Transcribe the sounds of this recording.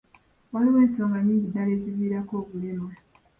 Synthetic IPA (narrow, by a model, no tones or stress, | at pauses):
walimeːnsaŋɡaɲiːɲɟidale̞ːziβiːɾako̞ːβulimwe